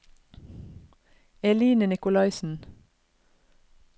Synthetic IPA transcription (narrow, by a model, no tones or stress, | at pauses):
ɛliːnənɪkʊlɑɪsn̩